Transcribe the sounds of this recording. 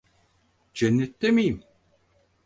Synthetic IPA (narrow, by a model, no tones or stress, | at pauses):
d͡ʒɛnːɛt̪ːemijim